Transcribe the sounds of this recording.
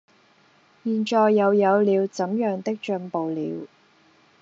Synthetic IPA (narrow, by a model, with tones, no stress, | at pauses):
jiː˨˩nt͡ʃɔː˨jːɐ˨˧wjɐ˨˧wliː˨˧wt͡sɐ˨˥mjœː˨ŋt̪ɪ˥k̚t͡ʃœ˧ŋpo˨wlḭː˨˧w